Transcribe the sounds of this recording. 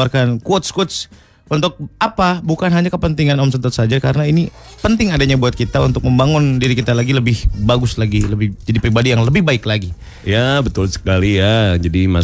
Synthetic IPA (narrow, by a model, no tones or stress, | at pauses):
arkankuɔt̪̚skut̪s | unt̪ʊk̚apabukanɦaɲakəpənt̪iŋanɔmsənt̪ət̪̚sad͡ʒakaɾənaini | pənt̪ɪŋadaɲabuat̪̚kit̪aunt̪ʊk̚məmbaŋʊndiɾikit̪alaɡiləbɪhbaɡʊslaɡiləbɪhd͡ʒadipɾibadijaŋləbɪhbaɪklaɡi | jabət̪ʊlsə̥kalijad͡ʒadima